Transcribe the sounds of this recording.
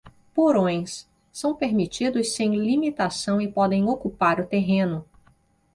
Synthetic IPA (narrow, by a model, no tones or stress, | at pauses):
poɾõj̃s | sɐ̃w̃peɾmit͡ʃid̪ʊsːẽj̃limit̪asɐ̃w̃ɪpɔd̪ẽj̃okupaɾʊt̪eɦẽnʊ